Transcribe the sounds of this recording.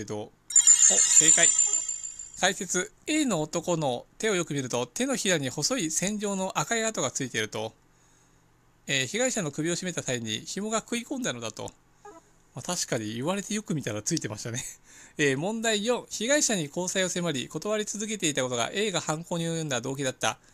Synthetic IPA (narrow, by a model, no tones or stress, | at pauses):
d̪o̞ | oke̞ːkai | kaise̞t͡sɨ | e̞ːno̞ːt̪o̞ko̞no̞t̪e̞o̞jo̞kɯ̟mʲiɾɯ̟t̪o̞t̪e̞no̞çiɾaɲ̟iho̞so̞isẽ̞ɲ̟d͡ʑo̞ːno̞ʔakaiat̪o̞ɡat͡sɨit̪e̞ɾɯ̟t̪o̞ | eːçiɡaiɕano̞kɯ̟bʲio̞ɕime̞t̪at̪aiɲ̟ḭçimo̞ɡakɯ̟ikõ̞nd̪ano̞d̪at̪o̞̰ | mat̪aɕi̥kaɲ̟iiβaɾe̞t̪e̞jo̞kɯ̟mʲit̪aɾat͡sɨit̪e̞maɕi̥t̪ane̞eːmõ̞nd̪aijõ̞ɰ̃çiɡaiɕaɲ̟iko̞ːsaio̞se̞maɾʲiko̞t̪o̞βaɾʲit͡sɨzɨk̬e̞t̪e̞it̪ako̞t̪o̞ɡa̰ʔe̞ːɡahãŋko̞ːɲ̟iojɯ̟̃nd̪ad̪o̞ːk̬ʲid̪at̪ːa̰